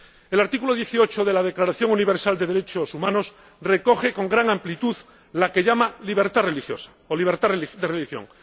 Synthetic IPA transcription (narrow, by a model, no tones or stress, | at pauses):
e̞laɾt̪ikulo̞ð̞je̞θio̞t͡ʃoðe̞lað̞e̞klaɾaθjo̞ŋuniβe̞ɾsald̪e̞ðe̞ɾe̞t͡ʃosumãno̞s | re̞ko̞xe̞ko̞ŋɡɾaŋãmplit̪uð | lake̞ʎamaliβ̞e̞ɾt̪arelixjo̰sḁ | oliβ̞eɾt̪areld̪erelixjo̰ŋ